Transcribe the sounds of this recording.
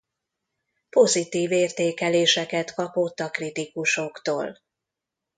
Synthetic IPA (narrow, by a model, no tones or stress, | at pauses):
po̞zit̪iːveːrt̪eːkɛleːʃɛkɛt̪kɒpo̞t̪ːɒkrit̪ikuʃokt̪o̰ːl